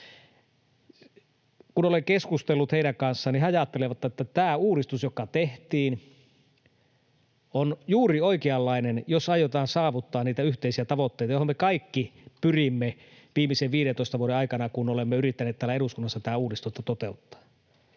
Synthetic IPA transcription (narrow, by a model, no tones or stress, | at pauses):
kunoleŋkeskust̪elːut̪heiɾæŋkɑnsːɑːnihɑjɑt̪ːeleʋɑt̪ːɑet̪ːæt̪æːuːdist̪usjokɑt̪eht̪iːn | onjuːrioikeɑlːɑinenjosɑjot̪ɑːnsɑːʋut̪ːɑːniːt̪æyht̪eisiæt̪ɑʋot̪ːeijt̪ɑjohomːekɑikːipyrimːe | ʋiːmiseʋʋiːɾent̪oˑist̪ɑʋuoɾeɑikɑnɑkunolemːeyrit̪ːæneːt̪t̪ælæeɾuskunːɑsːɑt̪æːuːdist̪ut̪ːɑt̪ot̪eut̪ːɑ̥ː